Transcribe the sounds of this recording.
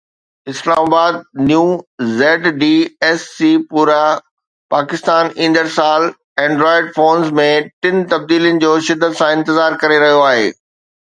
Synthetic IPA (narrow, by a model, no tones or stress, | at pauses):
ɪslaːmaːbaːd̪̚njuːzɛːʈɖiːɛːsːiːpuːɾa | paːkɪst̪aːnĩːn̆d̪əɾsaːl | ɛ̃ːɳɖɾɔːɪɖfoːnzmẽʈɪnt̪ɐb̚d̪iːljənɪ̆d͡ʑoːʃɪd̪ʱːət̪sãɪ̃nt̪ɪzaːɾkɐɾeɾɐɦijoaːɦḛː